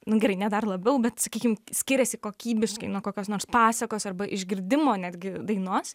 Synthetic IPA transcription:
nʊɡʲɛɾɐɪnʲɛd̪ɐrlˠɐbʲɛʊbʲɛt̪sɐkʲiːkʲɪmsʲkʲɪɾʲɛsʲɪkoːkʲiːbʲɪʃkɐɪnuːkoːkʲoːsnoːɾspɑːsɐkoːsɐrbɐʔɪʒʲɡʲɪrʲd̪ʲɪmoːnʲæːd̪ʲɡʲɪd̪ɐɪnoːs

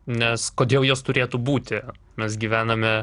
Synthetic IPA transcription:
nʲɛskoːd̪ʲeːlˠjoːst̪ʊɾʲeːt̪uːbuːt̪ʲɪ | mʲɛs̬ɡʲiːʋʲæːnɐmʲɛ

